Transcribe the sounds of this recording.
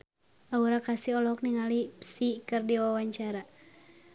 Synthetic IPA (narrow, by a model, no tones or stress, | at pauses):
ʔauɾakasiɔlɔk̚niŋalipsikɨrdiwawaɲt͡ʃaɾa